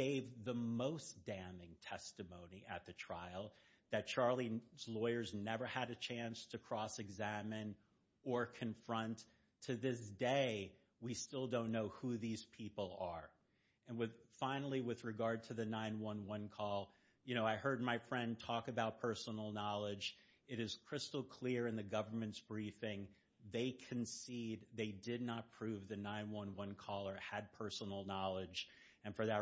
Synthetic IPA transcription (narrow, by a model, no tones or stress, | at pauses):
ɡeɪvðəmoʊsd̥æ̃mɪ̃ŋtʰɛstɨmõʊ̃niʔɨ̰t̪̚ðɨtʰɹ̥aɪl̩ˠ | ðɨt̚t͡ʃʰɑɹlˠizlɔɪə˞znɛvə˞ɨɾɨt͡ʃʰæ̃nstʰɨkʰɹ̥ɔsɨɡzæmɨ̃n | ə˞kʰɨ̃ɱfɹʌ̃ntʰ | ɨðɪsd̥eɪ | wistɪlˠdõʊ̃nːoʊhuðiz̥pʰipl̩ˠə˞ | ɨ̃nwɨðfãɪ̃nl̩ˠiwɨðɹɨɡɑɹd̚tʰɨðɨnãɪ̃nwʌ̃nwʌ̃nkʰɔlˠ | jɨñoʊaɪhɜ˞d̚maɪfɹɛ̃ntʰɔkɨbaʊt̚pʰɜ˞sən̩l̩ˠnɑlˠɪd͡ʒ | ɨɾɨz̥kʰɹ̥ɪstl̩ˠkʰl̥ɪɹɨ̃nðɨɡʌvə˞mɨ̃ntsb̥ɹifɪ̃ŋ | ðeɪkʰɨ̃n̩sid̪̚ðeɪdɪdⁿnət̚pʰɹ̥ʉvðɨnãɪ̃nwʌ̃nwʌ̃nkʰɔlˠə˞ɨd̚pʰɜ˞sn̩l̩ˠnɑlˠɪd͡ʒ | ɨ̃nfə˞ðə